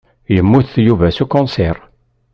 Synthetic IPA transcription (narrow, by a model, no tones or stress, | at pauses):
jəmːuθθjuvæsukɔ̃nsɛɾˤ